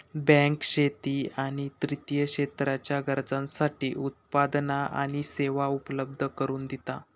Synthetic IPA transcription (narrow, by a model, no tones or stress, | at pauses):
bɛ̃ŋkɕet̪iːaɽ̃it̪ɾit̪ijəɕet̪ɾat͡ɕjaɡəɾd͡zãnsaʈiːʔut̪̚pad̪naʔa̰ɽ̃iseʋaupləbd̪ʱəkəɾuːnd̪it̪a